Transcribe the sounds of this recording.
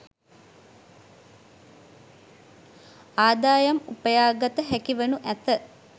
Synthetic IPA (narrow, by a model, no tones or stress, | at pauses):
aːd̪aːjɐmupəjaːɡɐt̪əɦækiʋenuʔæt̪ə